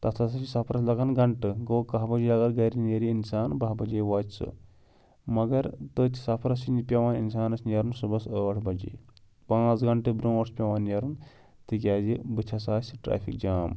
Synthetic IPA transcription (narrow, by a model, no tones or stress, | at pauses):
t̪ɐt̪ʰɐsɐsisɐpʰɾɐs̬lɐɡɐnɡɐɳʈɨɡoːkɐɦbɐd͡ʒiɐɡɐɾɡɐɾineɾiinsaːnbaɦbɐd͡ʒeːʋaːd͡ʒʲsɨ̰ | mɐɡɐɾt̪ɨt̪ʲi̥sɐpʰɾɐsinipʲɐʋaːninsaːnɐsʲnɐɾunsɨbɐsəɐʈʰbɐd͡ʒḭː | pãːt͡sɡɐɳʈɨbɾõːɐʈspʲɐʋaːnjɐɾun | t̪ɨk̬ʲaːzibɨt͡ʃʰɐs̬aːsʲʈɾa̰ːpʰḭkd͡ʒaːm